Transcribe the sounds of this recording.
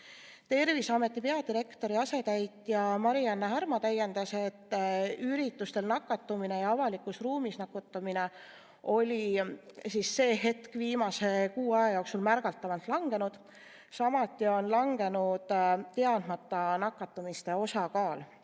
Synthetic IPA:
t̪e̞rvisɑme̞t̪ːˑipeɑd̪iɾe̞kt̪o̞ɾiɑse̞t̪æjt̪ˑjɑmɑɾiɑnːeɦæɾmɑt̪æjend̪ɑse̞t̪ːyɾit̪ːˑust̪e̞lnɑkːˑɑt̪ːˑumine̞jɑɑvɑlikːˑusruːmisnɑkut̪ːˑɑmine̞ | o̞lʲisisːe̞ːɦe̞t̪kviːmɑse̞kuːɑjɑjoːksulmærɡ̥ɑlt̪ːˑɑvɑlt̪ˑlɑŋɡ̥e̞nud̪̥ | sɑmɑt̪ːˑio̞nlɑŋɡe̞nud̪̥t̪e̞ɑnd̪̥mɑt̪ːˑɑnɑkːˑɑt̪ːˑumist̪e̞o̞sɑkɑːl

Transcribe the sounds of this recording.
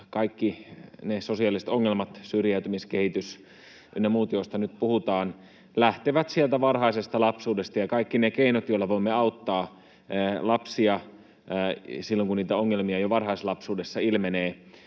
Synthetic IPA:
kɑikːinesosiɑlːˑisĕ̥t̪oŋːelmɑt̪syrjæyt̪ymiskehit̪ys | nːemuːt̪joist̪ɑnyt̪̚puhut̪ɑːn | læht̪eʋæt̪sielt̪æʋɑrhɑisest̪ɑlɑpsuːdest̪ɑjɑkɑikːinekeinot̪joilɑʋoimːeɑut̪ːɑː | lɑpsiɑ | silːoŋkunniːt̪æoŋːelmiɑjoʋɑrhɑislɑpsuːdesːɑilmeneː

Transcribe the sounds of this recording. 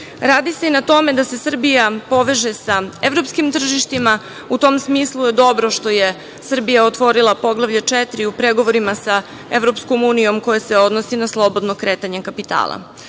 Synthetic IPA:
ɾaːd̪ise̞inat̪o̞me̞d̪ase̞sr̩bijapo̞ʋe̞ʒesaeʋɾo̞pskimt̪r̩ʒiʃt̪ima | ut̪o̞msmiːslˠujed̪o̞bɾoʃt̪o̞je̞ | sr̩bijaot̪ʋo̞ɾilˠapo̞ɡlˠaʋʎat͡ʂɛt̪ɾiupɾeɡo̞ʋoɾimasa | e̞ʋɾopsko̞muːnijo̞mko̞jese̞o̞d̪nosinaslˠo̞bo̞d̪nokɾeːt̪aɲekapit̪a̰ːlˠa̰

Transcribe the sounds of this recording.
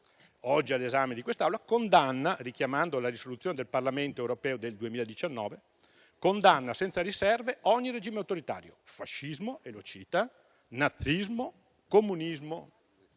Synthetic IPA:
ɔd͡ʒːialːezamed̪ikwest̪aawlakond̪anːarikjamand̪olaɾisolut̪sːjoːned̪elparlament̪oewɾopɛːod̪eld̪uemiːlaed̪it͡ʃanːɔ̰ːve | kond̪anːasɛnt̪saɾisɛrveʔɔɲːired͡ʒiːmeawt̪oɾit̪a̰ːɾjofaʃːizmoʔelot͡ʃiːt̪a | nat̪sːizmo | komːunizmo

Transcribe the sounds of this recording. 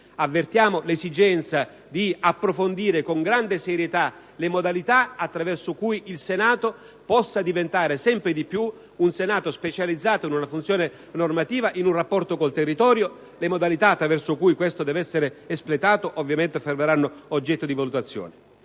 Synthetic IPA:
avːert̪jaːmolesid͡ʒɛnt̪sa | d̪iapːɾofond̪iːɾɪkoŋɡɾand̪eseɾjet̪a | lemod̪alit̪aat̪ːɾavɛrsʊkujilsenaːt̪o | pɔsːad̪ivent̪aːɾesɛmpɾɪd̪ipːju | unsenaːt̪ospet͡ʃalid̪zːaːt̪oinunafunt̪sjoːne | normat̪iːvaʔinunrapːɔrt̪okolt̪erːit̪ɔːɾjo | lemod̪alit̪aːt̪ːɾavɛrsʊkujkwest̪od̪ɛːvɛsːeɾeːsplet̪aːt̪oʔovːjament̪efermeɾanːʊod͡ʒːɛt̪ːod̪ivalut̪at̪sːjɔ̰ːne

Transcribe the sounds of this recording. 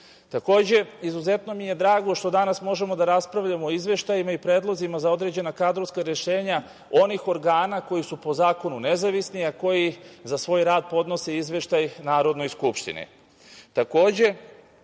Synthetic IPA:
t̪ako̞ːd͡ʑe̞izuze̞t̪no̞mije̞d̪ɾaːɡo̞ʃt̪o̞d̪anasmo̞ʒe̞mo̞d̪aɾaspɾaʋʎamoːizʋe̞ʃt̪ajimaipɾeːd̪lˠo̞zimazao̞d̪ɾe̞d͡ʑe̞nakad̪ɾoʋskaɾe̞ʃe̞ːɲa | o̞nixo̞ɾɡaːnako̞jisupo̞zaːko̞nune̞zaʋisniako̞jizasʋo̞ːjɾaːd̪̚po̞d̪no̞se̞izʋe̞ʃt̪ajnaːɾo̞d̪no̞jskupʃt̪ḭnḭ | t̪ako̞ːd͡ʑe̞

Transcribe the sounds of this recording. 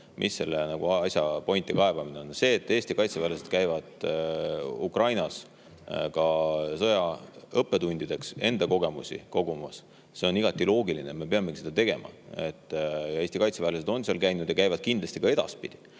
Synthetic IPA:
mʔḭsːe̞lːenɑɡ̥uɑɑsʲjɑpo̞jnt̪ːikɑe̞v̥ɑmineonse̞ːt̪ːˑe̞ːst̪ikɑjt̪sevæːlesed̪̥kæjvɑd̪̥ | ukrɑjnɑs | kɑsɤjɑɤpːe̞t̪unʲd̪̥id̪̥e̞kse̞nd̪̥ɑko̞ɡ̥e̞musʲḭko̞ɡ̥umɑs | se̞o̞niɡ̥ɑt̪ːˑilo̞ːɡilineme̞peɑmːeki̥se̞d̪ɑt̪e̞ɡ̥e̞mɑ̰e̞t̪ːjɑe̞ːst̪ikɑjt̪sevæːles̬ed̪o̞nseɑlkæjnud̪̥jɑkæjvɑd̪̥̚kind̪lɑsʲt̪ikɑe̞d̪̥ɑ̰spid̪̥i̥

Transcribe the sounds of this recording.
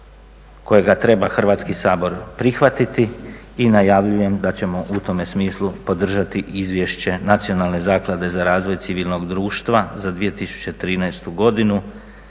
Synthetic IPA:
ko̞jeɡat̪ɾe̞baxr̩ʋaːt̪skisaːbo̞ɾpɾixʋat̪it̪iː | najaʋʎuje̞md̪at͡ɕe̞mo̞ʔut̪o̞me̞smiːslˠupo̞d̪r̩ʒat̪iʔizʋje̞ʃt͡ɕe̞nat̪sio̞nalˠne̞zaːklˠad̪e̞zaɾaːzʋo̞jt̪siʋiːlno̞ɡd̪ɾuːʃt̪ʋazad̪ʋije̞t̪isu̥t͡ɕet̪ɾiːnajst̪uɡo̞d̪inu

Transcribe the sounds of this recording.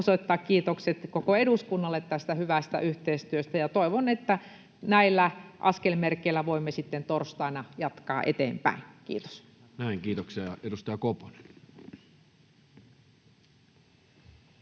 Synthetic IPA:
soit̪ːɑːkkiːt̪okset̪kokoeɾuskunːɑlːet̪t̪æst̪æhyʋæst̪æ̰ʔyht̪eist̪yøst̪æjɑt̪oˑiʋonet̪ːæ | næilːæʔɑskelmerkːeilːˑæʋoimːesit̪ːent̪orst̪ɑinɑjɑt̪kɑ̰ːʔḛt̪ḛːmpæ̰ˑinkḭːt̪o̥s | næˑiŋkiːt̪oksiɑjɑedust̪ɑjɑkopo̥ne̥n

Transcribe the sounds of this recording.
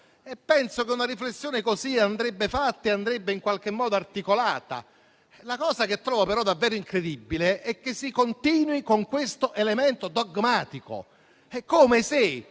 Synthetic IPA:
ɛpːɛnsok̟eunaɾiflesːjoːnekoziand̪ɾebːefat̪ːeand̪ɾebːeiŋkwalk̟emːɔːd̪oart̪ikolaːt̪a̰ | lakɔːzak̟et̪ːɾɔːvapeɾɔd̪avːɛːɾoiŋkɾed̪ibːileʔɛk̟ːesːikont̪iːnwikoŋkwest̪oʔelemɛnt̪od̪oɡmaːt̪iko̰ | ɛkːomese

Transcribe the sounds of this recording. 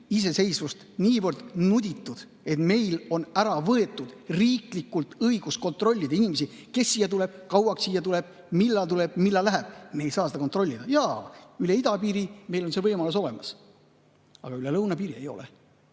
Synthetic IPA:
is̬e̞se̞jsvust̪niːvɤrd̪̥nud̪ʲit̪ːud̪̥ | e̞t̪me̞jlo̞næɾɑvɤe̞t̪ːˑud̪̥riːklikːˑult̪ɤiɡ̥usko̞nt̪ro̞lʲːid̪̥ɑinimesi | ke̞sːiːjːɑt̪ule̞b̥kɑwɑksiːjːɑt̪ule̞b̥̚ | milːɑlt̪uleb̥̚milːɑlæɦæb̥̚meːjsɑːseɑkont̪ˑro̞lʲːid̪̥ɑjɑːyle̞id̪ɑpiːɾime̞jlonsevɤjmɑluso̞lemɑs | ɑ̰ɡ̥ɑylelɤwnɑpiːɾie̞̰jo̞̰lḛ

